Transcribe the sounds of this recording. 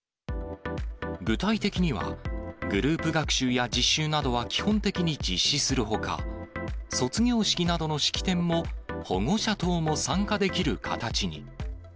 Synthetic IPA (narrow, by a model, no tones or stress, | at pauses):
ɡɯ̟t̪ait̪e̞kʲiɲ̟iβ̞a̰ɡɯ̟ɾɯːpɯ̟ɡakɯ̟̥ɕɨːjad͡ʑiɕːɨːnad̪o̞βakʲi̥hõ̞nt̪e̞kʲiɲ̟id͡ʑiɕːisɨɾɯ̟ɦo̞ka̰ | so̞t͡sɨɡʲo̞ːɕi̥kʲinad̪o̞no̞ɕi̥kʲi̥t̪ẽ̞mːo̞ho̞̰ŋo̞ɕat̪o̞ːmo̞sãŋkad̪e̞kʲiɾɯ̟kʰa̰t̪at͡ɕiɲ̟ḭ